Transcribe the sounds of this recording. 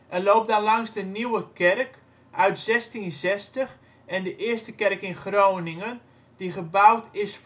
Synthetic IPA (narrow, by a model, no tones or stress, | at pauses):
ʔɛloːp̚danlɑŋsdəniwəkɛrk | ʔœɥtz̥ɛstinzɛstəx | ɛndəʔɪəstəkɛrkɪnχrownɪŋən | d̥iχəbawtɪs